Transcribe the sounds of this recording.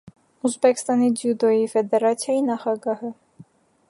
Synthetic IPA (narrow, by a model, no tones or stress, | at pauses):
uzbɛkst̪ɑnid̪jud̪ɔjifɛd̪ɛɾɑt͡sʰjɑjinɑχɑɡɑhə